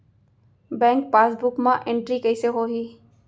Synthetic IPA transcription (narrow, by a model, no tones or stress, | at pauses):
bɛ̃ːŋk̚paːsbʊkmãʔẽɳʈɾikəɪseɦoːɦiː